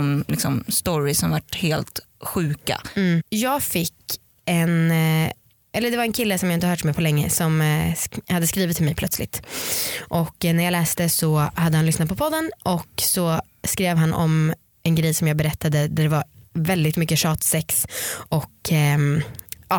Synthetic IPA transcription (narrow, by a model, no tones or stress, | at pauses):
mlɪksɔmst̪ɔɾɪsɔmvaʈheːlt̪ | ɧʉ̟ːka̰jɑːɡfɪkː | ɛn | ʔɛlːəɖ̪ɛvaɾɛnkʰɪlːəsɔmjahɪəhœːʈmɛːpʰɔlɛŋːə̰sɔm | had̪ːəskɾiːvɪt̪ʰːɪlmɛjpʰlœt̪slɪ̰t̪ | ʔɔkːnæɾjɑːlæːst̪əsɔhad̪ːəhanlʏsnat̪̚pʰɔpʰɔd̪ːənʔɔksɔ | skɾeːvɦanːʔɔ̰m | ʔɛnɡɾɛjsɔmjɑːɡbɛɾɛt̪ʰːad̪əd̪æɖɛvaɾvɛld̪ɪt̪mʏkːəʂɑːt̪sɛksʔɔkː | ɑ